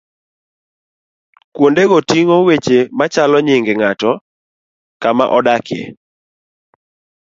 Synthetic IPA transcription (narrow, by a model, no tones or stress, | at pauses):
kwondeɡotiŋowet͡ʃemat͡ʃalɔɲɪŋɡeŋatɔ | kama̰ʔɔdakɪḛ